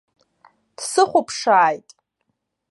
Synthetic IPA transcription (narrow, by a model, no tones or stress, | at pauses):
d̥sɨχʷʊpʰʂaːjtʼ